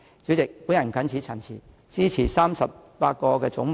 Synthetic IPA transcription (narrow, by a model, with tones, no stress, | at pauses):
t͡siː˨˥wt͡sɪ˨k̚pu˨˥njɐ˨˩n˨kʰɐ˨˥nt͡sʰiː˨˥t͡sʰɐ˨˩nt͡sʰiː˨˩ | t͡siː˥t͡sʰiː˨˩saː˥msɐ˨p̚paː˧t̚kɔː˧kɛː˧t͡sʊ˨˧˥ŋ